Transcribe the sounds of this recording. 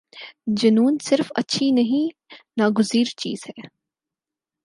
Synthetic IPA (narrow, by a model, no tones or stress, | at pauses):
d͡ʒɐnuːnsɪɾfɐ̰tːʃʰinɐɦĩnaːɡʊziːɾt͡ʃḭːzɦɛː